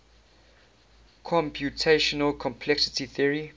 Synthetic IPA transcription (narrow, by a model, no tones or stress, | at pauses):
kʰɔ̃mpʰjutʰeʃɔnəlkʰɔ̃mpʰlɛksɪ̥tiθiəɹi